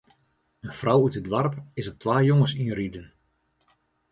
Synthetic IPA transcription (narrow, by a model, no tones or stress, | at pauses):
ənfrawytədʋarpɪsɔp̚tʋaːjoŋəsiəridən